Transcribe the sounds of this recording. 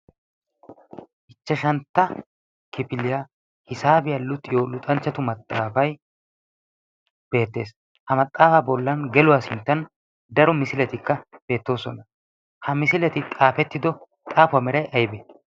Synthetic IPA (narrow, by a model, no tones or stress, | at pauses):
ʔɪt͡ʃːɐʃɐnt̪ːɐ | kɪpɪlɪja | hɪsaːbɪjalʊt̪ʼɪjolʊt̪ʼɐnt͡ʃːɐt̪ʊmɐt̪ʼːaːfɐj | b̥e̞ːt̪ːe̞̰ːs | hɐmɐt̪ʼːaːfɐbɔlːɐnɡɛlʊwaːsɪnt̪ːɐn | d̪ɐɾɔmɪsɪlɛt̪ɪkːɐb̥e̞ːt̪ːo̞ːsɔnɐ | hɐmɪsɪlɛt̪ɪt̪ʼaːfɛt̪ːɪd̪ɔ | t̪ʼaːfʊamɛɾɐjʔɐjbɛ